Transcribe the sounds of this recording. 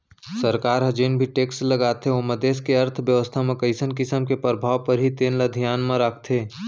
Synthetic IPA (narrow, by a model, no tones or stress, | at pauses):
səɾkaːɾɦɐd͡ʒeːnbʱiʈeːksləɡaːt̪eoməd̪eːskeɐɾt̪ʰʋjəʋəst̪ʰamẽkəɪsənkɪsəmkepɾəbʱaːʋpəɾɦit̪eːnləd̪ʱijaːnmãɾəkʰt̪ʰeː